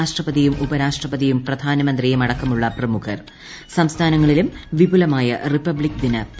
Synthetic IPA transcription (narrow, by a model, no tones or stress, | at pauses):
aːʂʈrɐpɐðijumubɐɾaːʂʈrɐpɐðijumprɐd̪ʱaːnɐmɐnd̪rijemɐɽɐkːɐmuɭːɐprɐmukʰɐr | sɐmst̪ʰaːnɐŋːɐɭilumʋibulɐmaːjɐ̰ripːɐbɭikːd̪inɐp